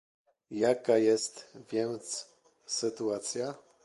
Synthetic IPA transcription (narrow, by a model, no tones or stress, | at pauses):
jakajɛst̪vʲjɛnt̪s | sɘt̪uat̪sʲja